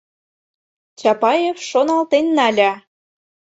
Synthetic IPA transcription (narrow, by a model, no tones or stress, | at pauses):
t͡ɕɑpɑjefʃonɑlt̪enːɑlʲɑ